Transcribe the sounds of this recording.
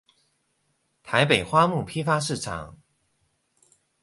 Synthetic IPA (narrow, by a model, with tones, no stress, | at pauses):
t̪ʰa˧˥ɪpe˨˩ɪxwa˥mu˥˩pʰi˥fa˥ʂɻ̩˥˩ʈ͡ʂʰɑ̰˨˩˦ŋ